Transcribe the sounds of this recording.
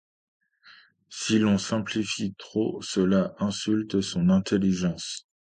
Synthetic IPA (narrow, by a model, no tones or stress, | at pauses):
silɔ̃sɛ̃plifit̪χosəlaʔɛ̃sylt̪sɔ̃nɛ̃t̪ʰeliʒɑ̃s